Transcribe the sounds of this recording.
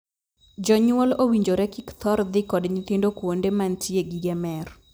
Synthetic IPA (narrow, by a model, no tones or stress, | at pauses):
d͡ʒɔɲʊwɔlowiɲd͡ʒoɾɛkikt̪ʰɔɾd̪ɪkɔdɲit̪indokwondemantʰieɡiɡɛmɛr